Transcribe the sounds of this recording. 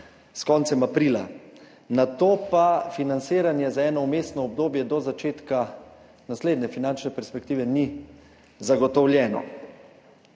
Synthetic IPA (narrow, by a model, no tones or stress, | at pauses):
skɔnt̪sɛmapɾiːla̰ | nat̪oːpafinant̪siːɾanjɛzaɛːnɔumeːst̪nɔːb̚d̪oːbjɛd̪ɔzat͡ʃeːt̪ka | nasleːd̪nɛfinant͡ʃnɛpɛɾspɛkt̪iːʋɛni | zaɡɔt̪ɔwlʲjɛːnɔ̰